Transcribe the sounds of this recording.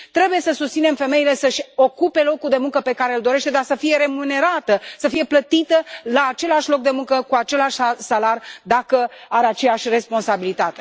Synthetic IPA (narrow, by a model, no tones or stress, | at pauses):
t̪ɾe̞buje̞səsust̪sine̞mfe̞me̞ile̞səʃʲo̞kupe̞lo̞kuld̪e̞muŋkəpe̞kaɾe̞ɨld̪o̞ɾe̞ʃt̪e̞d̪arsəfije̞ɾe̞mune̞ɾat̪əsəfije̞plət̪it̪əlaːt͡ʃe̞laʃʲlo̞k̚d̪e̞muŋkəkuat͡ʃe̞laʃʲsalarʲd̪akəaɾeat͡ʃe̞jaʃʲre̞spo̞nsabilit̪at̪e̞